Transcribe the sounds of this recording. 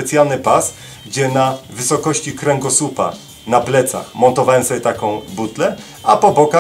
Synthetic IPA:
pɛt̪sʲjalnɘpas | ɡd͡ʑɛnavɘsɔkɔɕt͡ɕikɾɛŋɡɔsupa̰ | naplɛt̪sa̰xmɔnt̪ɔvawɛnsɔbʲjɛt̪akɔ̃w̃but̪lɛ | apɔbɔka

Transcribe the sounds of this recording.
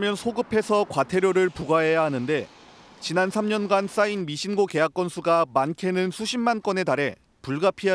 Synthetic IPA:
mjʌnsʰoɡɯpʰe̞sʰʌkwatʰe̞ɾjoɾɯɭpuɡaɦejaɦanɯnde̞ | t͡ɕinansʰamɲʌnɡans͈ainmiɕʰinɡoke̞jak͈ʌnsʰuɡamankʰe̞nɯnsʰuɕʰimmank͈ʌne̞daɾe̞ | puɭɡapʰia

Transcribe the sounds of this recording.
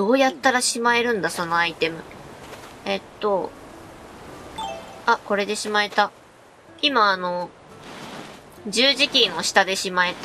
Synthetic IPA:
do̞ːjat̪ːaɾaɕimae̞ɾɯ̟̃nd̪aso̞no̞ait̪e̞mɯ̟̰ | e̞t̪ːo̞ | ako̞ɾe̞d̪e̞ɕimaet̪a | imaːno̞ | d͡ʑɨːʑikʲĩɰ̃o̞ɕi̥t̪ad̪e̞ɕimae̞t̪a

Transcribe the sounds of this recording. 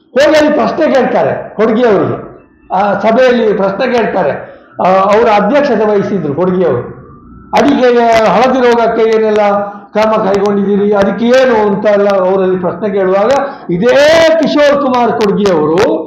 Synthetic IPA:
hoːɡeɐlːipɾɐʃnekeːɭt̪aːɾḛkoɽɡijɐʋɐɾiɡḛ | sɐbʱɛjɐlːipɾɐʃneke̞ːɭt̪aːɾe | ɐʋɐɾuɐd̪ʱjɐkʂɐt̪ɐʋɐjsid̪ɾukoɽɡijɐʋɐɾu | ɐɽikeeɦɐɭɐd̪iɾoːɡɐkːeeːnɛlːɐkɐɾmɐkɐjko̞ɳɖid̪iːɾiɐd̪ɐkːeeːnuɐnt̪ɐɛlːɐːʋɐɾɐlːipɾɐsnek̬e̞ːɭuʋaːɡɐ | id̪eːkiʂoːɾkumaːɾkoɽɡijɐʋɐɾu

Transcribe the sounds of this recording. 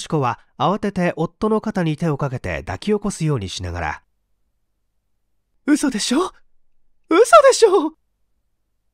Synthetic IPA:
ɕi̥ko̞βaː | βat̪e̞t̪e̞ʔo̞t̪ːo̞no̞kat̪aɲ̟it̪e̞o̞kake̞t̪e̞̰d̪a̰kʲio̞ko̞sɨjo̞ːɲ̟iɕina̰ɡa̰ɾa̰ | ɯ̟so̞d̪e̞ɕoː | ɯ̟so̞d̪e̞ɕoː

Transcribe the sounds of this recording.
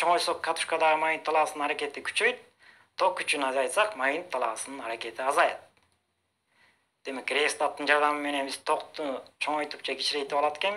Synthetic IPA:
t͡ʃʰo̞ŋojsokʰːat̪u̥ʃkad̪ɑʁɯmajint̪ʰːɑlˠɑɑsɯnɯnaɾakʲe̞t̪ikʰy̥t͡ʃøjt̪̚ʰ | oq̚kʰːyt͡ʃynɑzɑjt̪sɑqmajint̪ʰːɑlˠɑɑsɯnɯnɑɾake̞t̪ʰiɑzɑjt̪̚ | d̪̥e̞mekɾʲest̪at̪ːɯnd͡ʒɑɾd̪ɑmɯme̞ne̞nbiz̥t̪ʰo̞qt̪ut͡ʃʰo̞ɴojt̪up̚t͡ʃʰɑɡʲit͡ʃɾet̪ːepɑlˠɑt̪ekʲen

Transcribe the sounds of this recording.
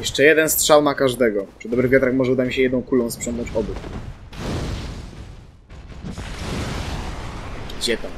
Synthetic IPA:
jɛʂt͡ʂɛjɛd̪ɛnstʂawmakaʐd̪ɛɡɔpʂɨd̪ɔbɾɘɣɡ̪ʲat̪ɾaxmɔʐɛud̪amʲiɕɛjɛd̪nɔ̃w̃kulɔ̃w̃spʂɛ̃ŋnɔ̃ɲt͡ɕɔbuk | d͡ʑɛt̪a

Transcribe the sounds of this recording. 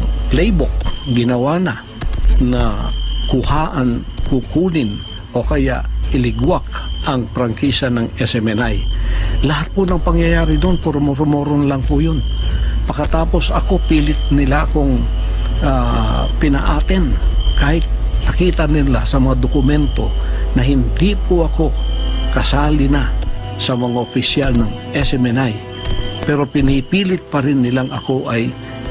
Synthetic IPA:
plɛjbʊk̚ɡɪnɐwaːnɐ | nɐkʊhaːʔɐn | kukuːnɪn | ʔo̞kɐja̰ʔʔɪlɪɡwak̚ʔɐŋpɾɐŋkisɐnɐŋɛsɛmɛnajlɐhat̪̚pʊnɐŋpɐŋjɐjaːɾɪd̪onpoɾʊmoɾʊmoɾonlɐŋpʊjonpɐkːɐt̪aːpo̞sɐko̞piːlɪt̪̚nɪlakʊŋ | a | pɪnɐ̰ʔaːt̪ɛnkaːhɪt̪̚ | nɐkiːt̪ɐnɪla̰sɐmɐŋad̪okʊmɛnt̪o̞̰nɐɦɪnd̪ipʊʔɐko̞kɐsaːlɪna | sɐmɐŋaʔopɪsjalnɐŋʔɛsɛmɛnaj | pɛːɾo̞pɪnipiːlɪt̪̚pɐɾɪnːɪlaŋɐko̞ʔɐj

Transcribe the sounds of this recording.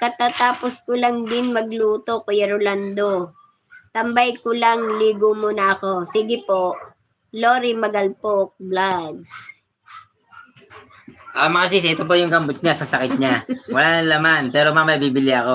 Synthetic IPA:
kɐt̪at̪aːposkolɐŋd̪ɪnmɐɡluːt̪o̞kojɐɾʊland̪o | t̪ɐmbɐjkʊlaŋliːɡomunɐɐko̞siɡɪpo̞ʔ | loːɾimɐɡɐlpok̚blaɡs | ʔamɐŋasisɪɛt̪op̬ojʊŋɡɐmbʊt̪̚ɲasɐsɐkɪt̪̚ɲawɐlaːnɐŋlɐmanpɛːɾomamɐjbiːbɪlɪɐko̞

